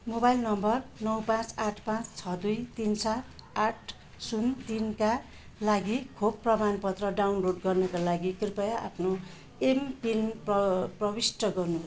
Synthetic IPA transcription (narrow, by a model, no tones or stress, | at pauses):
mobajlnʌmbʌrnʌwpãt͡saʈʰpãt͡st͡sʰʌd̪ujt̪int͡sʰaːʈʰ | sunt̪inka | laɡikʰob̚pːrʌmanpʌt̪rʌɖawnloɖɡʌrnʌkalaɡikripʌjʔa̰pʰno | empinpʌprʌbisʈʌɡʌrnubʱʌ